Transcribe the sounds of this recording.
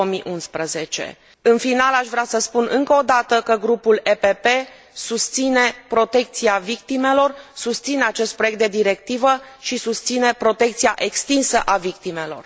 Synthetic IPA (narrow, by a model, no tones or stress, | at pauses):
omiʔunspɾəze̞t͡ʃe̞̰ | ɨnfinalaʃvɾeasəspunʔɨŋkəod̪at̪əkəɡɾupulepepe̞ | sust̪sine̞pɾo̞t̪e̞k̚t̪siavik̚t̪ime̞lo̞rsust̪sine̞at͡ʃe̞st̪̚pɾo̞jek̚t̪d̪e̞d̪iɾe̞k̚t̪ivəʃisust̪sine̞pɾo̞t̪e̞k̚t̪siaʔe̞kst̪insəʔavik̚t̪ime̞lo̞̰r